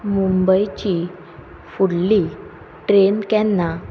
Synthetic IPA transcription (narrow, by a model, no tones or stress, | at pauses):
mumbəjt͡ɕi | fuɽli | ʈɾenkɛ̃nːa